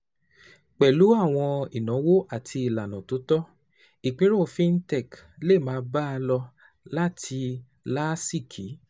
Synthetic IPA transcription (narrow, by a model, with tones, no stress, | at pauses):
k͡pɛ˨lu˨˦a˦˨w̃ɔ̃˧i˨nã˨˦wo˦ʔa˦˨tʰi˧i˨la˨nã˨tu˨˦tɔ˦ | i˨k͡pĩ˨˦ɾo˦˨fĩ˦n̩˦tɛ˦˨k | le˦˨mãː˨˧˦ba˦a˧lɔ˧ | la˦tʰi˧ | la˦si˦˨kʰi˨˦